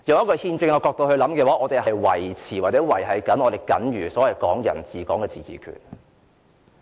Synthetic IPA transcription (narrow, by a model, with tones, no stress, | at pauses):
jɐ˨˩ŋjɐ˥tkɔː˧hiː˧nt͡sɪ˧ŋɔː˨˧kɔː˧k̚t̪o˧whɵ˧ɥlɐ˨˥mkɛː˧waː˨˥ʔɔː˨˧t̪e˨jhɐ˨jwɐ̰˨˩jt͡sʰiː˨˩waː˨˩t͡sɛː˨˥wɐ˨˩jɦɐ˨jkɐ˨˥nʔɔː˧t̪e˨˩jkɐ̰˨˥nɥyː˨˩sɔ˨˥wɐ˨jkɔː˨˥ŋjɐ̰˨˩nt͡siː˨kɔː˨˥ŋkɛː˧t͡siː˨t͡sḭː˨kʰy̰ː˨˩n